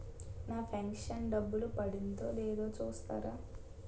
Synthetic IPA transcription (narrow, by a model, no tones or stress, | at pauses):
naːpʰɐŋkʂɐnɖɐbːulupɐɽind̪oːleːd̪o̞ːt͡ʃuːst̪a̰ːɾaː